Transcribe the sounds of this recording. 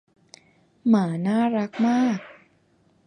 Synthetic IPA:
maː˩˦naː˥˩ɾa˦˥k̚maː˥˩k̚

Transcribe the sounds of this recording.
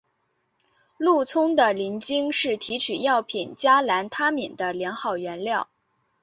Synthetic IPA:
lu˥˩t͡sʰʊ˥ŋd̪ə˨li˧˥nt͡ɕi˥ŋʂɻ̩˥˩t̪ʰi˧˥ʈ͡ʂ̩ʰ˨˩jɑ˥˩ʊpʰi˨˩nt͡ɕja˥la˧˥nt̪ʰa˥mi˨˩nd̪ə˦ljɛ˧˥nxɑ˥˩ʊɥɛ˧˥nljɑ˥˩ʊ

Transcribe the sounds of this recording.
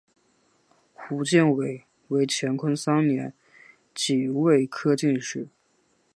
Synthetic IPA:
xu˧˥t͡ɕi˥˩nwe˨˩˦ɪ | we˧˥ɪt͡ɕʰjɛ˧˥nkʰə˥ŋsɑ˥ŋnjɛ˧˥n | t͡ɕi˨˩we˥˩ɪkʰɤ˥t͡ɕi˥˧nʂɻ̩˥˩

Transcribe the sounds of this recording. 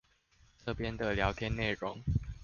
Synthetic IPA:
ʈ͡ʂə˥˨pjɛ˦nd̪ə˨ljɑ˧˥ʊt̪ʰjɛ˥˦ne˥˨˩ɻʊ˨˦ŋ

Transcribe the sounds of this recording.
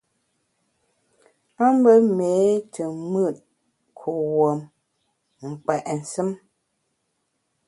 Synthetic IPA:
a˦m˦bə˦me˨˦tʰə˨mə˦˨t̚ | kʰo˨wo˨m | ŋ̩˨k͡pɛ˨ʔn̩˨sɨ˦m

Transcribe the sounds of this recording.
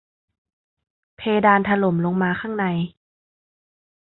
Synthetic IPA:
pʰeː˧daː˧nt̪ʰa˧lo˩˦mlo˧ŋmaː˧kʰaː˥˩ŋna˧j

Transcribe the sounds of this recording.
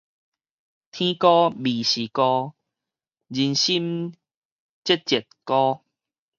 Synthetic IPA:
t̪ʰĩ˦kɔ˦bi˨˩ɕi˨kɔ˦ | d͡ʑi˧nɕi˦m | t͡ɕe˦t̚t͡ɕɛ˨˩t̚kɔ˦

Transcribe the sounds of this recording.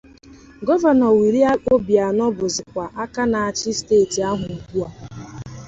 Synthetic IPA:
ɡɔ˦va˨nɔ˨wi˨ɾi˦a˦o˦bja˨nɔ˦bʊ˨zɪ˨kʷa˨ʔa˦ka˦na˨a˨t͡ʃɪ˦ste˦˨ti˨a˦ɦʊ˨nu˨ku˦a˨

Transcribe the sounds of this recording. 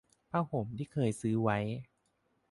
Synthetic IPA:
pʰaː˧˩ho˨˩˦mt̪ʰiː˥˩kʰɤː˧jsɯː˦wa˦˥j

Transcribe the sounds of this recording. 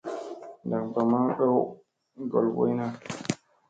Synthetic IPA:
nda˨kba˨ma˦ɗo˦w | ɡo̰˨lbo̰˦jna˦

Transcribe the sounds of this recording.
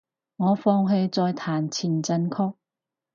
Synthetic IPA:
ŋɔː˨˧fɔː˧ŋɦe˧jt͡sɔː˧jt̪ʰaː˨˩nt͡sʰiː˨˩nt͡sɐ˧nkʰɔː˥k̚

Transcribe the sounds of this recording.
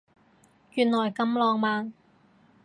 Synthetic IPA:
kyː˨˧nlɔː˨˩jkɐ˧mlɔː˨˧ŋmaː˨˧n

